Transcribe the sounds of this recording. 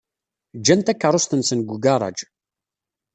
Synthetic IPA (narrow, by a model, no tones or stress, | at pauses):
d͡ʒːænt̪ækːərˤost̪ənsənɡʷuɡɑrˤɑ̰d͡ʒ